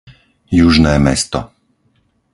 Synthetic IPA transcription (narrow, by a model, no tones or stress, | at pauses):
juʒnɛːmɛ̰st̪ɔ̰